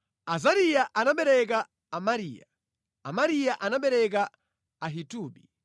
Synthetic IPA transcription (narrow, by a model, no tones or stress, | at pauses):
azaɾijaʔanaɓɛɾɛk̬a | amaɾiːja | a̰maɾijaʔanaɓɛɾɛk̬a | aɦituːɓi